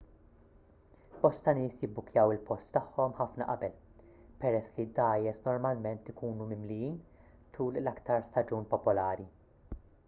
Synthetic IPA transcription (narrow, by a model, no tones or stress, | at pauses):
b̥ɔst̪ɐnɪːsjɪbːʊkjɐwɪlpɔst̪ːɐħːɔmħɐfnɐ̰ʔɐbɛl | pɛɾɛsːlid̪ɐːjɛsnɔɾmɐlmɛnt̪ɪkuːnumɪmlɪjiːn | t̪ʰuːllɐkt̪ɐɾst̪ɐd͡ʒuːnpɔpʊlɐːɾi